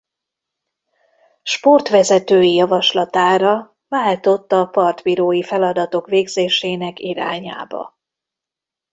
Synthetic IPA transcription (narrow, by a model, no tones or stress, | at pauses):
ʃpo̞rt̪ʋɛzɛt̪øːjijɒvɒʃlɒt̪aːɾɒ | vaːlt̪o̞t̪ːɒpɒrt̪biɾoːjifɛlɒd̪ɒt̪o̞kʋeːɡzeːʃeːnɛkiɾa̰ːɲa̰ːbɒ̰